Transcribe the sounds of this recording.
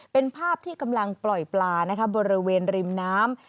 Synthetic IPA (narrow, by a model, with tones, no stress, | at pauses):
pe˧npʰaː˥˩p̚t̪ʰiː˥˩ka˧mla˧ŋplɔ˨˩jplaː˧na˦˥kʰa˦˥bɔː˧ɾi˦˥weː˧nɾi˧mnaː˦˥m